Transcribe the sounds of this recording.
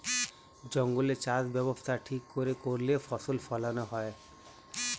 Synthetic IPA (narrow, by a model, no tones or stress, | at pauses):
d͡ʑɔŋɡulet͡ɕazbɛbost̪ʰaʈʰikːoɾekoɾlefʰɔsolfʰɔlanɔɦɔe